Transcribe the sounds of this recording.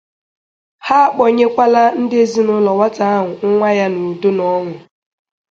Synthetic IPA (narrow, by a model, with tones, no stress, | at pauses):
ha˦k͡pɔ˨ɲe˦kʷa˦la˦n̩˦dɪ˦e˦zi˨nʊ˦lɔ˨wa˦ta˦a˦ɦʊ˨ŋ̩˦ŋʷa˦ja˦nu˨do˦nɔ˦ŋʷʊ˨